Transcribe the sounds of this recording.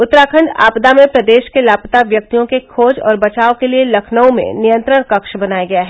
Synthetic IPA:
ʊt̪ːɾaːkʰə̃ɳɖa̰ːpd̪amẽpɾɐd̪eːʃkelaːpt̪aʋjɐk̚t̪ijõkekʰoːd͡ʒɔ̰ːɾbɐt͡ʃaːokelielɐkʰnəũmḛ̃nɪjə̃nt̪ɾəɽkɐkʃbɐnaːjaɡɐjaɦɛ

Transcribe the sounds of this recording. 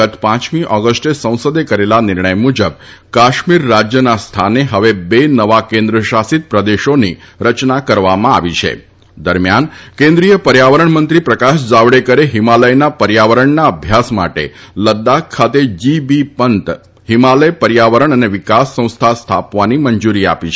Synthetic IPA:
ət̪pãt͡ʃmiʔɔɡəsʈesə̃w̃sod̪ekəɾelanɪɾɳəjmud͡ʒəb̚ | kaʃmiɾːad͡ʒjənast̪ʰaneɦəʋebenəʋakẽnd̪ɾəʃasit̪̚pɾəd̪eʃoni | ɾət͡ʃnakəɾʋamãa̰ʋit͡ʃʰḛ | d̪əɾmjankẽnd̪ɾijəpəɾjaʋəɾəɳmənt̪ɾipɾəkaʃd͡ʒaʋɽekəɾeɦimaləjnapəɾjaʋəɾəɳnaəbʱjasma̰ʈḛləd̪ːakʰːat̪ed͡ʒibipənt̪ | himaləjpəɾjaʋəɾəɳ̃əneʋɪkasːə̃w̃st̪ʰast̪ʰapʋaniməɲd͡ʒuɾia̰pit͡ʃʰ

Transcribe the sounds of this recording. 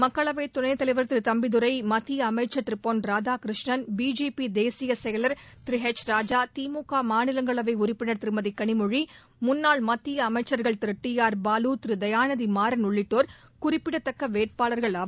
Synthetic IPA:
mɐkːɐɭɐʋɐɪt̪ːʊɳɐɪt̪ɐlɐɪʋɐɾt̪ɪɾɯt̪ɐmbɪðɯɾɐɪmɐt̪ːɪjɐːmɐɪʈt͡ʃːɐt̪ɾɯpːoːnɾaːd͡ʒaːkɾɯʂɳɐnbiːd͡ʒeːpid̪eːsɪjɐsɛjɐlɐɾt̪ɪɾɪɦet͡ʃɾaːd͡ʒaːt̪iːmuːkaːmaːnɪlɐŋɡɐɭɐʋɐɪʊɾɪpːɪnɐɾt̪ɪɾɯmɐðikːɐɳɪmʊɻi | mʊnːaːɭmɐt̪ːɪjɐːmɐɪt͡ʃːɐɾɣɐɭt̪ɪɾɯʈːijaːɾbaːluːt̪ɾɯd̪ɐjaːnɐðimaːɾɐnʊɭːɪʈːoːɾ | kʊrɪpːɪɽɐt̪ːɐkːɐʋeːʈ̚paːɭɐɾɣɐɭɐ

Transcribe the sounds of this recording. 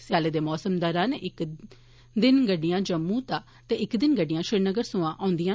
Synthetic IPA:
sɪjaːleːd̪eːmɔːsəmd̪əɾãːneʔɪk | d̪ɪnɡəɖɪjãːd͡ʒəmːũːt̪aː | t̪eːɪkd̪ɪnɡəɖɪjãːʃɪɾnəɡəɾsʊ̃ːãːʔãːnd̪ijãː

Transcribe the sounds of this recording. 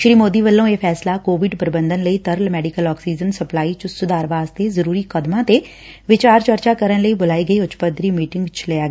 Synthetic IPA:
ʃɾiːmoːd̪iːʋəlːõːeːpʰɛːslaːkoːʋɪɖpɾɪbənd̪ənləiːt̪əɾlmɛːɖikəlɔːksiːd͡ʒənsəplaːiːt͡ʃəsʊd̪aːɾʋaːzt̪eːzəɾuːɾiːkəd̪mãːt̪eː | ʋɪt͡ʃaːɾt͡ʃəɾt͡ʃaːkəɾənləiːbʊlaːiːɡəiːʊt͡ʃpəd̪ɾiːmiːʈɪŋɡt͡ʃʰlejaːɡː

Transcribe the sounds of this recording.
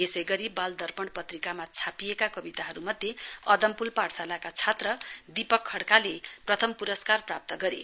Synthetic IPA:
esʌjɡʌɾibald̪ʌrpʌɳpʌt̪rikamat͡sʰapiekakʌbit̪aɦʌɾumʌd̪ʱjeʌd̪ʌmpulpaɽsalakat͡sʰat̪rʌd̪ipʌkʰːʌɽkaleprʌt̪ʰʌmpuɾʌskarprap̚t̪ʌɡʌɾḛ

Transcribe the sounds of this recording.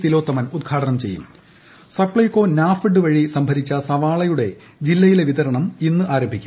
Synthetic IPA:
t̪ilo̞ːt̪ːɐmɐnud̪̚ɡʰʱaːɖɐnɐmt͡ɕe̞̰jːṵm | sɐpɭɐjko̞ːnaːfɨɖɨʋɐɻisɐmbʱɐɾit͡ɕːɐsɐʋaːɭɐjuɽe̞ | d͡ʑilːɐjileʋid̪ɐɾɐɳɐminːɨʔaːɾombʱikʲːu̥

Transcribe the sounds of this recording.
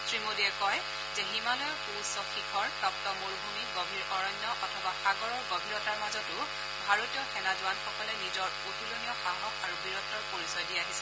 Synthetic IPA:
sɹimodiɛkɔj | zɛɦimalɔjpusɔxikʰɔɹtɔk̚tɔmuɹbʱumiɡobʱiɹɔɹɔɲːɔʔɔtʰɔbaxaɡɔɹɔɹɡobʱiɹɔtaɹmazɔtʊ | bʱaɹotijɔxɛnazʊanxɔkɔlɛnizɔɹpotʰulonijɔxaɦɔkaɹubiɹɔtːɔɹpoɹisɔjdiaɦisɛ̥

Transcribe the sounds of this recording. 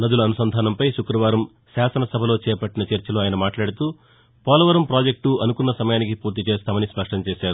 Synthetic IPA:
nɐd̪ulɐːnusɐnd̪ʱaːnɐmpɐjʃukɾɐʋaːɾɐm | saːsɐnɐsɐbʱɐlo̞ːt͡ʃɛːpɐʈːinɐt͡ʃɐɾt͡ʃɐloːaːjɐnɐmaːʈlaːɽit̪uː | pɔːlɐʋɐɾɐmpɾaːd͡ʒek̚ʈuʔɐnukunːɐsɐmɐjaːnik̬ipuːɾt̪it͡ʃeːst̪aːmɐnispɐʂʈɐɲt͡ʃeːʃaːɾu

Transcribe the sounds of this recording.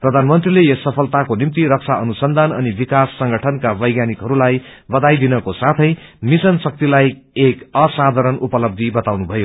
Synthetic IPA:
prʌd̪ʱanmʌnt̪rilejʌsʌpʰʌlt̪akonimt̪iɾʌk̚t͡sʰaʌnusʌnd̪ʱanʌnibikasːʌŋɡʱʌʈʰʌnkabʌjɡjanikɦʌɾulajbʌd̪ajd̪inʌkosat̪ʰʌjmisʌnsʌk̚t̪ilajekʌsad̪ʱaɾʌnupʌlʌb̚d̪ʱibʌt̪awnubʱʌjo

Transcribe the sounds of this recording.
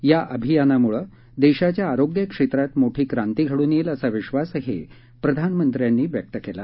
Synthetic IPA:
jaʔəbʱijanamuɭə | d̪eɕat͡ɕjaːɾoɡjəkʂet̪ɾat̪moʈʰiːkɾant̪iɡʱəɽuːneːləsaʋiɕʋasɦḛ | pɾəd̪ʱanmənt̪ɾjanːiːʋjək̚t̪əkela̰

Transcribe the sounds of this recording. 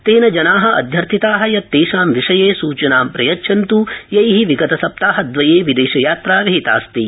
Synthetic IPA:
t̪eːnɐd͡ʒɐnaːɦɐ̆ʔɐ̰d̪ʱjɐɾt̪ʰit̪aːɦɐjɐt̪ːeːʃaːmʋiʂɐjeːsuːt͡ʃɐnaːmpɾɐjɐtːʃʰɐnt̪ujɐjɦiʋiɡɐt̪ɐsɐp̚t̪aːɦɐd̪ʋɐjeːʋid̪eːʃɐjaːt̪ɾaːʋiɦit̪a̰ːst̪i

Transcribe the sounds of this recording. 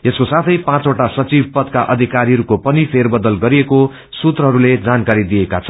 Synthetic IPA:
eskosat̪ʰʌjpãt͡soʈasʌt͡sib̚ʱpʌd̪̚kaʔʌd̪ʱikaɾiɦʌɾukopʌnipʰerbʌd̪ʌlɡʌɾieko | sut̪rʌɦʌɾuled͡zankaɾid̪ijekat͡sʰʌn

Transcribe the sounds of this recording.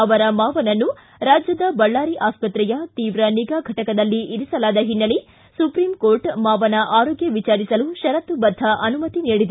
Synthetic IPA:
ɐʋɐɾɐmaːʋɐnɐnːu | ɾaːd͡ʒjɐd̪ɐbɐɭːaːɾiʔaːspɐt̪ɾɛjɐt̪iːʋɾɐniɡaːɡʱɐʈɐkɐd̪ɐlːiʔiɾisɐlaːd̪ɐɦinːɐli | supɾiːmkoːɾʈmaːʋɐnɐʔaːɾoːɡjɐʋit͡ʃaːɾisɐluʃɐɾɐt̪ubɐd̪ʱːɐʔɐnumɐt̪iniːɽid̪ɐ

